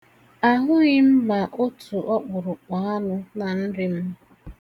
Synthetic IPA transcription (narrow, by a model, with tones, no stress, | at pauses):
a˦ɦʊ˦ɣɪ˦m̩˦ma˨ʔo˦tʰu˨ʔɔ˦k͡pʊ˨ɾʊ˨k͡pɔ˨˦a˦nʊ˦na˨n̩˦ɾɪ˦m̩˦